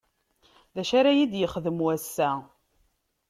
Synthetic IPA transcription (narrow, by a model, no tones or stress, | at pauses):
ðæʃaɾajid̪jəχðəmwæsːæ